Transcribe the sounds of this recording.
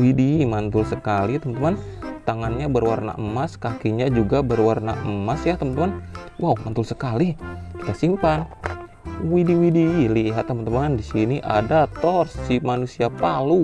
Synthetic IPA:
widimant̪ʊlsəkalit̪əmant̪əmant̪aŋanɲabərwarna̰ʔəmaskakiɲad͡ʒuɡabərwarna̰ʔəmasjat̪əmant̪əman | wawmant̪ʊlsəkaliki̥t̪asimpan | widiwidiliɦat̪ːəmənt̪əmandisiniʔa̰dat̪ɔrssimanusiapalu

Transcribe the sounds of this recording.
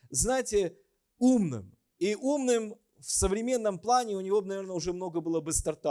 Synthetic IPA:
znajɪtʲɪ | umnɨ̰m | iʔumnɨm | fsəvɾʲɪmʲe̞nːəmplˠanʲɪʊnʲɪvʲo̞b̚nɐvʲernəʊʐɛmno̞ɡəbɨlˠəbɨst̪ɐrt̪a

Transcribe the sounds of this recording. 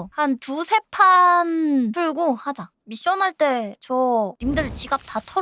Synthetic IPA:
hantusʰe̞pʰanpuɭɡohad͡ʑa | miɕ͈ʌnɦaɭt͈e̞t͡ɕʌimdɯɭt͡ɕiɡap̚tatʰʌ

